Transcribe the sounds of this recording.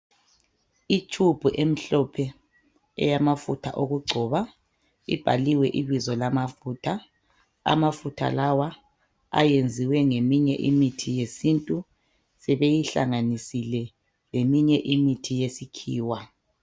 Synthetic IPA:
it͡ʃʼʰub̥ʱuʔem̩ɬɔpʰɛ | ɛ̰jamafutʰa̰ʔoɣuɡ͡ǀʱɔːβa | ḭb̥ʱaliwɛʔiβizɔlamafuːtʰa | a̰mafutʰa̰lawa | a̰jend͡zʱiwɛŋemiɲɛ̰ʔḭmitʰijesintʼu | sɛβejiɬa̰ŋanisilɛ | lemiɲɛʔimitʰijesikʰiːwa

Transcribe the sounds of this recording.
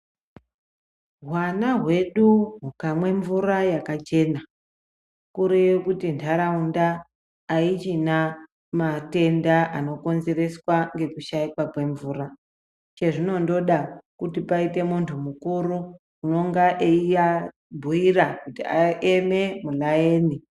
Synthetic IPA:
ɦwanaɦwe̞ɗuɦukamwe̞ɱvurajakat͡ʃe̞na | kuɾejekutintʰaɾaundaː | it͡ʃina | mate̞ndaʔano̞ko̞nze̞re̞swaŋɡe̞kuʃaikwakwe̞ɱvuːra | t͡ʃe̞ʐino̞ndo̞ɗakutipaite̞muntʰumukuɾu | uno̞ŋɡaʔeija | bʱuiɾakutiaʔememulajeːni

